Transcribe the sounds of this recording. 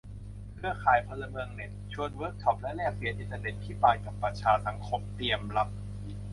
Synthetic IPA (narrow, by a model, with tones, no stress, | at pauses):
kʰɯ˥˩əkʰaː˩˦jpʰɔ˧lːa˧mɯ˧əŋne˨˩t̪̚t͡ɕʰu˧ənwəː˦˥k̚t͡ɕʰɔ˦˥p̚lɛ˦˥lɛː˥˩k̚si˨˦nʔi˧nt̪ːa˧ne˨˩t̪̚pʰiː˥˩paː˧jka˨˩pːɾa˧t͡ɕʰaː˧sa˩˦ŋkʰo˧˥mt̪i˧əmla˦˥p̚